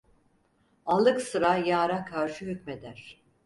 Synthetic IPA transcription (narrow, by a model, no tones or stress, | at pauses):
alˠɯksɯɾajaːɾakʰaɾʃɯɦycʲme̞d̪æɾ̥